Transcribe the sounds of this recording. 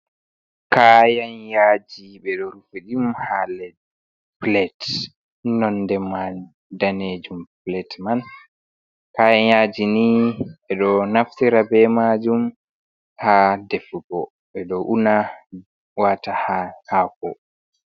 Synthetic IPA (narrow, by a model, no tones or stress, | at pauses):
kajanjaːd͡ʒiɓɛɗɔɾufuɗimhalɛd | plɛt | nɔndɛman | daned͡ʒumplɛtman | kajanjad͡ʒiniɓɛɗɔnaftiɾabɛmad͡ʒum | hadɛfɡɔ | ɓɛɗɔʔuna | watahahakɔ̰